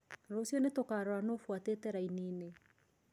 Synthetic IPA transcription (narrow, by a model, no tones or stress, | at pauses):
ɾosjonetokaɾoanofwateːtɛɾainine